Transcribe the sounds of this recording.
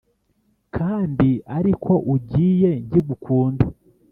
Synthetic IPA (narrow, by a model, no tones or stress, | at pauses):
kʰaːndiaɾikʰo̞ʔuɟiːje̞ɲɟiɡukʰuːnda